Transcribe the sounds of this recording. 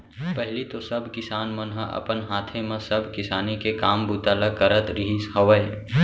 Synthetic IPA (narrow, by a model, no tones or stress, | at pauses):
pɛɦɪlit̪osɐbʱkɪsaːnmənɦəɐ̰pənɦaːt̪ʰẽmẽsɐbʱkɪsaːnikekaːmbut̪aːlakəɾət̪ɾɪɦishɐʋəe